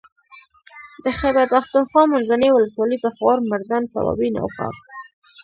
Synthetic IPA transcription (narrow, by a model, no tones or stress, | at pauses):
d̪̥əxabaɾpaxt̪unxwɑmanzanewʊləswɑləpəxoɾmaɾd̪ansa̰wɑ̰bina̰wkɑ̰t̪